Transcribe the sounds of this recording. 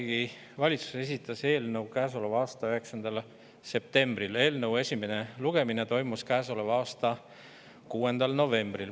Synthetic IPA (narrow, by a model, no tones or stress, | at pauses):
ɡi | vɑlʲit̪su̥se̞s̬ʲit̪ːˑɑse̞ːlnɤwkæːs̬o̞le̞vɑːst̪ɑyɦe̞ksɑnd̪̥ɑl | se̞p̚t̪e̞mbrile̞ːlnɤwe̞sʲimene̞luɡ̥e̞mine̞t̪o̞jmuskæːso̞le̞vɑːst̪ɑ | kuːe̞nd̪ɑlno̞ve̞mbril